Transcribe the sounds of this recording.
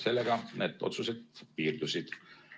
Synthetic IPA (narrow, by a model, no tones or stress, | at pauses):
se̞lːeɡ̥ɑned̪̥o̞̰t̪suset̪piːrd̪usid̪̥